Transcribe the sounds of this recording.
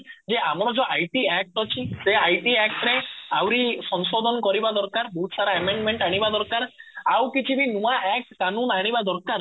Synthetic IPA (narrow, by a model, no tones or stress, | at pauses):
d͡ʒeamɔɽ̃ɔd͡ʒɔʔajʈiɛk̚ʈɔt͡ʃʰiseajʈiɛk̚ʈɾeawɾisɔnsod̪ʱɔnkɔɾibad̪ɔɾkaɾbɔɦut̪ɔsaɾaemeɳɖmeɳʈaɽ̃ibad̪ɔɾkaɾawkit͡ʃʰibinuaʔɛkʈkːanunaɽ̃ibad̪ɔɾkaɾ